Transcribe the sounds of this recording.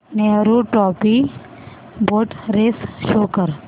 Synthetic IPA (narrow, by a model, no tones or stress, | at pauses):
neːɾoʈɔːpi | boːʈɾeːsʃoːkəɾ